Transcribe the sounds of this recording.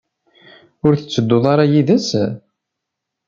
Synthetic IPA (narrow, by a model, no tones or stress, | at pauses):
ʊɾθə̥t͡sːəd̪ːoðˤɑɾˤɑjiðəs